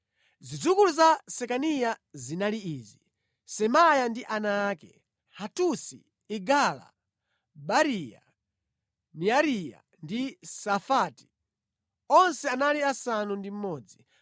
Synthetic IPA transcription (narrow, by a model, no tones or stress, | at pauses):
zid͡zukuluzasɛkanijazinaliiːzi | sɛmajandiʔanaːkɛ | hatusi | iɡala̰ | baɾija̰ | niaɾija̰ | ndisafati̥ | ɔnsɛanaliasanundim̩mɔːd͡zi